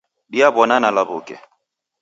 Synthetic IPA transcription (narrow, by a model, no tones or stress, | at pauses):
ɗiabɔnanalabukɛ̰